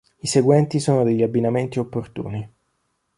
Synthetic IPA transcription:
iseɡwɛnt̪isoːnod̪eʎːiabːinament̪iopːort̪ṵːni

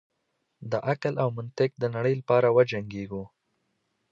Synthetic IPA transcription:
d̪əʔaklawmʊnt̪ɪk̚d̪ənaɽəjlapɑɾawəd͡ʒaŋɡeɡu

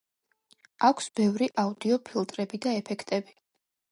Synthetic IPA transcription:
akʷʰsbɛvɾiʔaud̪iɔpʰilˠt̪ʼɾɛbid̪aɛpʰɛkʰt̪ʼɛbi

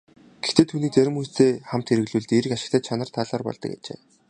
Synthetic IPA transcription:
ɡ̥ext̪eːt̪ʰuːniːk̚t͡sæɾʲɪ̆mujt̪eːχam̥t̪ʰeɾɘ̆ɣɮuːɮt̪ieɾɘ̆kaʃɪ̆kt̪aːt͡ɕʰanə̆r̥t̪ʰaɮɔːrpɔ̰ɮt̪ɞ̆ka̰t͡ɕḛː

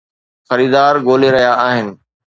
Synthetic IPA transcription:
xɐɾiːd̪aːɾɡoːleɾɐɦjaaːɦɪnɪ̆

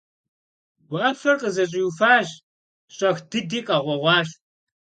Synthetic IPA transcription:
ɡʷʊʔɐpfɐrqəzɐɕʼiufaːʒ | ɕʼɐxd̥ɨdiːqʼɐʁʷɔʁʷɑːʃ

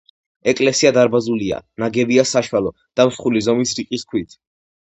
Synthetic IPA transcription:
ɛkʼlɛsiad̪aɾbazulia̰naɡɛbiasaʃwalɔ | d̪̥amsχulizɔmisɾiqʼiskʰwit̪ʰ

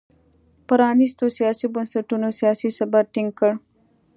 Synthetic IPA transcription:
pɐɾɑːnist̪osijɑːsibənsɐʈunosijɑːsisɐbaʈɪŋɡ̚kəɽ

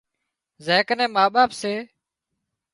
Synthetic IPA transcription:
zeːkənẽːmaːɓaːpseː

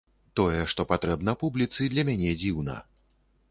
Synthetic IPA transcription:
t̪ɔjɛʂt̪ɔpat̪ɾɛbnɐpublʲit̪sɨd̪lʲɐmʲanʲɛd͡zʲiwnɐ̰

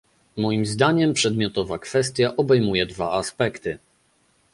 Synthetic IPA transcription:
mɔjimzd̪aɲɛmpʂɛd̪mʲjɔt̪ɔvakfɛst̪ʲjaʔɔbɛjmujɛd̪vaaspɛkt̪ɘ

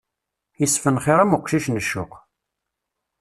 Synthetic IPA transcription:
isːfənχeɾˤæmukʷːʃiʃnəʃːʊ̰q

